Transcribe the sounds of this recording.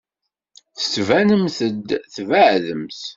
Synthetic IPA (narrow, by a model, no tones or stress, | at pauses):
θə̥t͡sːvænəmθəd̪θvəʕðəmθ